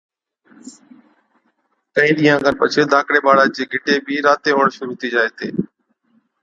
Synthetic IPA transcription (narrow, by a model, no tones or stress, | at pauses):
k̪əĩːɗiːãːɡənpət͡ʃʰeːd̪ʱãːkɽeːɓaːɽaːd͡ʒeːɡʱɪʈeːbʱiːɾaːt̪eːɦoːɳʃʊɾut̪iːd͡ʒaːeːt̪ʰḛː